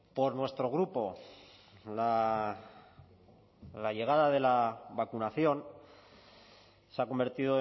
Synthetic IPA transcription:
po̞ɾnwe̞st̪ɾo̞ɣ̞ɾupo̞ | la | laʝe̞ɣ̞aðað̞e̞laβakunaθjo̞n | seako̞mbe̞ɾt̪ið̞o

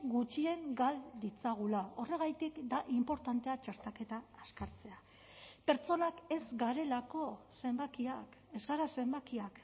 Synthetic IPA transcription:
ɡut͡ʃie̞ŋɡald̪it͡saɣ̞ulao̞re̞ɣ̞ajt̪ikd̪aʔimpo̞ɾt̪ant̪e̞at͡ʃaɾt̪ake̞t̪aːskaɾt͡se̞a | pe̞ɾt͡so̞nake̞zɡaɾe̞lako̞se̞mbakiake̞zɣaɾase̞mbakiak

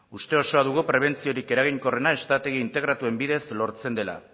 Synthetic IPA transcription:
ust̪e̞o̞so̞aðuɣ̞upɾe̞β̞e̞nt͡sio̞ɾike̞ɾaɣ̞iŋko̞re̞nae̞st̪at̪e̞ɣ̞iːnt̪e̞ɣɾat̪ue̞mbiðe̞slo̞ɾt͡se̞nd̪e̞la̰

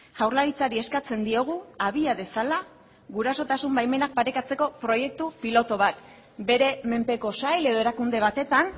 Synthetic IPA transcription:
ʝawɾlaɾit͡saɾie̞skat͡se̞nd̪io̞ɣ̞uaβ̞iaðe̞sala | ɣuɾaso̞t̪asumbajme̞nak̚paɾe̞kat͡se̞ko̞pɾo̞je̞k̚t̪upilo̞t̪o̞β̞at̪̚ | be̞ɾe̞me̞mpe̞ko̞sajle̞ð̞o̞e̞ɾakund̪e̞β̞at̪e̞t̪an

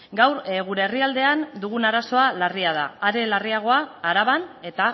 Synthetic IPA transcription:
ɡawɾɣuɾe̞ːriald̪e̞and̪uɣ̞unaɾaso̞alariað̞a̰ːɾe̞lariaɣ̞o̞aːɾaβane̞t̪a

